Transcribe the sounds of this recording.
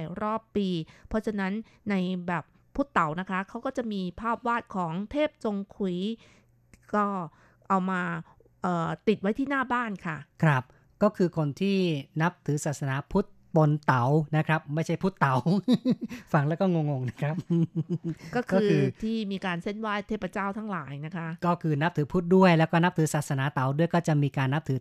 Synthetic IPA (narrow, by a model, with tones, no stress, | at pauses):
ɾɔː˥˩pːiː˧pʰɔ˦˥t͡ɕʰa˧na˦˥nː | a˧jbɛː˨˩p̚ʰːu˦˥˩t̪ːa˩˦wna˦˥kʰa˦˥kʰa˦˥wkɔː˥˩t͡ɕa˨˩ʔmiː˧pʰaː˥˩p̚waː˥˩t̪̚kʰɔː˩˦ŋt̪ʰeː˥˩p̚t͡ɕo˧ŋkʰu˩˦ | kɔː˥˩ | ʔa˧wmaː˧ | ʔɤː˨˩t̪i˨˩t̪̚wa˦˥jt̪ʰiː˥˩naː˥˩baː˥˩nkʰa˥˩kʰɾa˦˥p̚ | kɔː˥˩kʰɯː˧kʰo˧nt̪ʰiː˥˩na˦˥p̚t̪ʰɯː˩˦saː˨˩t̪̚sa˧naː˩˦pʰu˦˥t̪̚po˧nt̪a˩˦wna˦˥kʰɾa˦˥p̚ma˥˩jt͡ɕʰa˥˩jpʰu˦˥t̪ːa˩˦w | fa˧ŋlɛː˦˥wkɔː˥˩ŋo˧ŋːo˧ŋna˦˥kʰɾa˦˥p̚ːkɔː˥˩kʰɔ˥ɯː˧ɯː˧t̪ʰiː˥˩miː˧kaː˧nse˥˩nwaː˥˩jt̪ʰeː˥˩pːa˧t͡ɕaː˥˩wt̪ʰa˦˥ŋlaː˩˦jna˦˥kʰa˦˥kɔː˥˩kʰɯː˧na˦˥p̚t̪ʰɯː˨˩˦pʰu˦˥t̪̚du˥˩əjlɛː˦˥wkɔː˥˩na˦˥p̚t̪ʰɯː˩˦saː˨˩t̪̚sa˧naː˩˦t̪a˩˦wdu˥˩əjkɔː˥˩t͡ɕa˨˩miː˧kaː˧nːa˦˥p̚t̪ʰɯː˨˩˦